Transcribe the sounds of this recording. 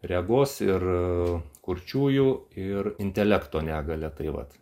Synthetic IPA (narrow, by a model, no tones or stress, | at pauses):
rʲɛɡoːsɪr | kʊɾʲt͡ʃʲuːjuɪrɪnʲt̪ʲɛlʲɛkt̪oːnʲæːɡɐlʲɛt̪ɐɪʋɐ̰t̪